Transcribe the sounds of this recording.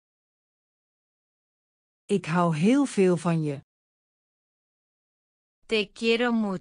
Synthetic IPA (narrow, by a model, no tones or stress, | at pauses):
ɪkɦawɦɪːlˠfɪːlˠfɔnjə | tekeɾomu